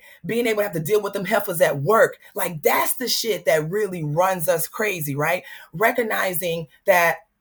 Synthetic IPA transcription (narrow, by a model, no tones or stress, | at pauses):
b̥iɪ̃ŋeɪbl̩ˠtɨhæftɨdilˠwəðə̃mɦɛlˠfləzɨt̚wɜ˞k | laɪk̚ðætsðɨʃɪt̪̚ðɨt̚ɹɪlˠiɹʌ̃nzʌskʰɹ̥eɪziɹaɪt̚ɹɛkɨɡ̚naɪzɪ̃ŋ | ðɨt̚